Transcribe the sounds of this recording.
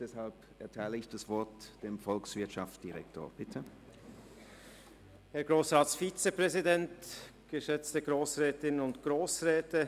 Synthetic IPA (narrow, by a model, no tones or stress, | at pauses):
d̥ɛshalp | ʔɛɐtʰaɪləɪçd̥asv̥ɔɐtd̥eːmfɔlksv̥ɪɐtʃafd̥iʁɛkto̰ːɐb̥ɪtʰə | hɛɐɡʁoːsʁaːtsfiːt͡sepʁ̥ɛzidɛnt | ɡ̥əʃɛt͡stəɡʁoːsʁɛːtɪnənʊntɡ̥ʁoːsʁɛːtə